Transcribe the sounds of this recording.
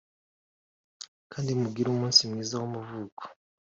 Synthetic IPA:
kʰaːndimuɡiɾoːmuːnsimwiːzawomuvuːko̥

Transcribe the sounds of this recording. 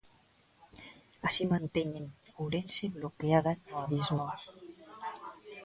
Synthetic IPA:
asimant̪eɲenowɾenseβlokeaðanːoaβizmɔɾ

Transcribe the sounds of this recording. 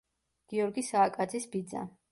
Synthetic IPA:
ɡ̥iɔɾɡisaːkʼad̪zisbid̪za̰

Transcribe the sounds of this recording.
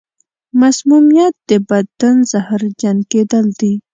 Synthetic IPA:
masmumijat̪̚d̪̥əbad̪anzahɾd͡ʒanked̪əld̪i

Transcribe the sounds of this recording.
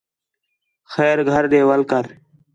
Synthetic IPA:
xɛːɾɡʱəɾɗeːʋəlkəɾ

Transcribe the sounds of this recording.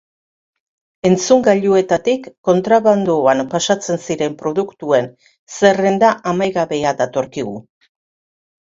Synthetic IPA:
e̞nt͡suŋɡaʎue̞t̪at̪ikːo̞nt̪ɾaβand̪uanpasat͡se̞nsiɾe̞mpɾo̞ðukt̪ue̞n | se̞re̞nd̪aʔamajɣaβe̞aðat̪o̞ɾkiɣu

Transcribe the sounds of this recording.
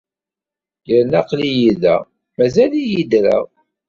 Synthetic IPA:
jəɾnæqlijiðæ̰ | mæzælijid̪ɾa̰

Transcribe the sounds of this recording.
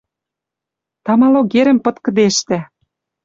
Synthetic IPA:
t̪ɑmɑloɣeɾə̆mpɤ̆t̪kɤ̆d̪eʃt̪æ

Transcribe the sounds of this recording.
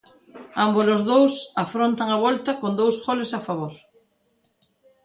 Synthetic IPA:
ambozozðowsafɾont̪aŋaβ̞olt̪akond̪owsxolesafaβ̞oɾ

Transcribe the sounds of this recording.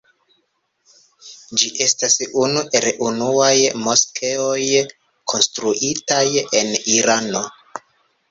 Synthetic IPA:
d͡ʒiʔe̞stasunuʔe̞lʔunuajmo̞skʰe̞o̞j | kʰo̞nstɾuʔitaje̞niɾano̞

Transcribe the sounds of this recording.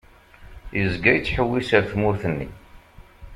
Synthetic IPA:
jəzɡæjt͡sːħəwːisəɾθmʊɾθənːḭ

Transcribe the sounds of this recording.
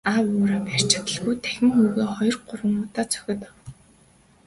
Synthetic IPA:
awʊːɾaːpær̥ʲt͡ɕɪ̆t̪ə̆ɮɣujt̪ʰæxʲɪ̆ŋxuːɣeːχɔjɞ̆rɢʊɾwə̆ŋʊt̪aːt͡sʰœ̥xʲɪ̆t̪

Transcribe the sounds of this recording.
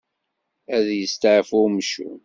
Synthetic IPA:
æðjəst̪ʕəfʊmʃṵ

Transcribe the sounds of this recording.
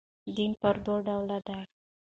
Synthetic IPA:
d̪inpəɾd̪oɖawlad̪aɽ

